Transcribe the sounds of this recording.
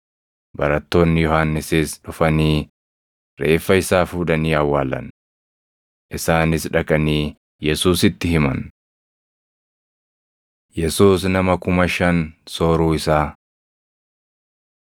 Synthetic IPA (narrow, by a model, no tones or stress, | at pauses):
bɐɾɐt̪ːo̞ːnːɪjɔhanːɪsɪsᶑʊfɐniː | ɾe̞ːfːɐɪsaːfuːd̪ɐniːɐwːaːlɐ̰n | ʔɪsaːnɪsᶑɐkʼɐniː | jɛsuːsɪt̪ːɪhɪmɐ̰n | jɛsuːsnɐmɐkʊmɐʃɐnsoːɾuːɪsaː